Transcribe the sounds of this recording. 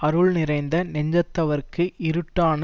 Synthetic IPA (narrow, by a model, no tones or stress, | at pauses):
ɐɾɯɭnɪrɐɪnd̪ɐnɛɲd͡ʒɐt̪ːɐʋɐɾkːɯɪɾɯʈːaːnɐ